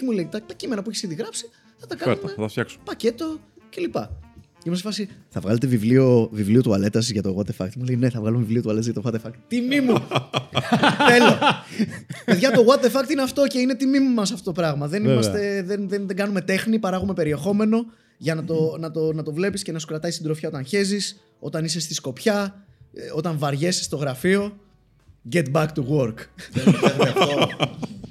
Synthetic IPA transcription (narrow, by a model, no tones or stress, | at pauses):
cemuleit̪ɐt̪ɐcime̞nɐpueçesiðiɣɾɐpsi̥ | θɐt̪ɐkɐeɾumet̪ɐft̪çɐksumpɐce̞t̪o̞ | ce̞lipɐ̰ | eimɐst̪fɐsiθɐvɣɐle̞t̪evivlio̞vivlio̞t̪uɐle̞t̪ɐsʝɐt̪oɣwɐt̪efɐ̰k̚t̪mulejne̞θɐvɣɐlumevivlio̞t̪uɐlet̪ɐzʝjɐt̪oɣwɐt̪efɐkt̪t̪imimu | e̞lo | eðʝɐt̪o̞ɣwɐt̪e̞fɐk̚t̪ineɐft̪o̞ce̞inet̪imimumɐsɐft̪ot̪opɾɐɣmɐðe̞nimɐst̪e̞ðenðenðeŋɡɐnume̞t̪e̞xnipɐɾɐɣume̞pe̞ɾie̞xo̞me̞no̞ | ʝɐnɐt̪o̞nɐt̪o̞nɐt̪o̞vle̞pisce̞nɐsu̥kɾɐt̪ɐist̪id̪ɾofçɐo̞t̪ɐnçe̞zis | o̞t̪ɐnise̞st̪isko̞pçɐ | o̞t̪ɐɱvɐɾʝe̞si̥st̪o̞ɣɾɐfio̞ | ɟe̞t̪̚bɐkt̪uɣoɾkeɐɐfto